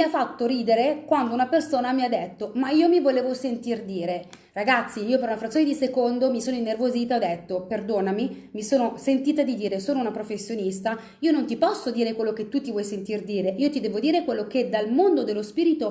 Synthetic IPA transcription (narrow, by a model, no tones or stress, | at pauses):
miafːat̪ːoɾiːd̪eɾekwand̪ounapersoːnamiad̪ːet̪ːomaiːomivoleːvosent̪ird̪iːɾe | raɡat̪sːiiːopeɾunafɾat̪sːoned̪isekond̪omisoːnoinːervoziːt̪aɔd̪et̪ːoperd̪oːnamimisoːnosent̪iːt̪ad̪id̪iːɾesoːnounapɾofesːjonist̪a | iːonont̪ipɔsːod̪iːɾekwelːoket̪ːut̪ːivwɔjsent̪ird̪iːɾeiːot̪id̪ɛːvod̪iːɾekwelːoked̪almond̪od̪elːospiːɾit̪o